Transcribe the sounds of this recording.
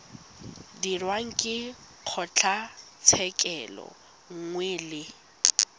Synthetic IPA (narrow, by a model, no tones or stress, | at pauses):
dirwaŋ̩kʼɪ | q͡χʰɔt͡ɬʰat͡sʰɛkʼɛlɔ̰ | ŋ̩ŋwɛlɪ